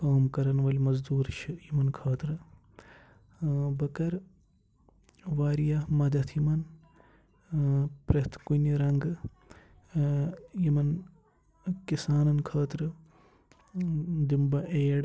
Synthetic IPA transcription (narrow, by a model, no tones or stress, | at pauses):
kaːmkɐɾɐnʋɐlʲmɐzd̪uːɾʃʰijimɐnkʰaːt̪ɾɨ | bɐkɐɾ | ʋaːɾijamɐd̪ɐt̪ʰjimɐn | pɾɐt̪ʰkunʲiɾɐŋɡ | jimɐn | kisaːnɐnkʰaːt̪ɾɨ | d̪imbɐʔeːɽ